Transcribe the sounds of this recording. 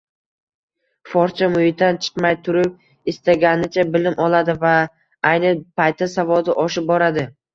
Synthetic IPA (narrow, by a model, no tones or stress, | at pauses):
fɒɾt͡ʃʰamʊjɪt̪ant͡ʃʰɨ̥qmajt̪ʰʊɾɪp̚ | ɪst̪aɡʲanɪt͡ʃʰabɪlɪmɒlˠad̪ɪva | ajnɪpʰajt̪ʰːasavɒd̪ɪʔɒʃɪp̚bɒɾad̪ɪ